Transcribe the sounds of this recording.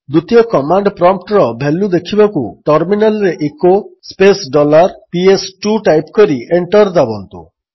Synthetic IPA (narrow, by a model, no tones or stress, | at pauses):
d̪ut̪ijɔkɔmaɳɖpɾɔmp̚ʈɾɔbʱelud̪ekʰibakṵʈɔɾminalɾeʔekospesɖɔlaɾpiesʈuʈajpkɔɾiʔeɳʈɔɾd̪abɔnt̪ṵ